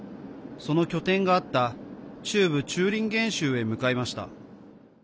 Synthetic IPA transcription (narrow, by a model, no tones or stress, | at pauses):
so̞no̞kʲo̞t̪ẽ̞ŋɡaːt̪ːat͡ɕɨːbɯ̟t͡ɕɨːɾʲĩŋɡẽ̞ɰ̃ɕɨːe̞mɯ̟kaimaɕi̥t̪a̰